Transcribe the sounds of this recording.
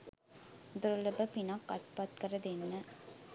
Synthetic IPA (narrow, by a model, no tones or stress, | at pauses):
d̪ʊɾɔlɐbɐpɪnaːkːɐt̪paːt̪̚kɐrɐðɛnːɐ